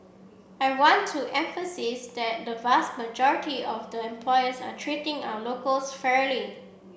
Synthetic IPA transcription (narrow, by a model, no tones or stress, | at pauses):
ajwɔ̃ntʰːuʔɛ̃ɱfəsisd̪ɛt̚dəvast̚məd͡ʒɔɹɪtiɔfdəɛ̃mpʰlɔɪəsa̰tʰɹitɪ̃ŋa̰wəlokəlsfɛɹli